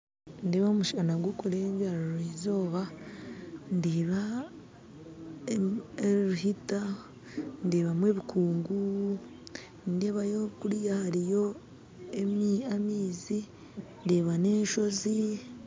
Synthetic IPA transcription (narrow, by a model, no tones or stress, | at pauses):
ndeβamuʃanaɡukoɾeɲvaɾɾuizo̞ːβa | ndiːβa | eɾuhita | ndeːβamweːβikʰuːŋɡu | ndeːβajokuɾjahaɾijo̞ | emamiːzi | ndeːβane̞ːʃo̞zi